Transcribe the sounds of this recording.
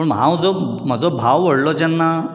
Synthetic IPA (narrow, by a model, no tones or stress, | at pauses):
əɳmɦa̰d͡zɔ | m̤əd͡zɔbʱaʋʋəɽlɔt͡ɕɛnːa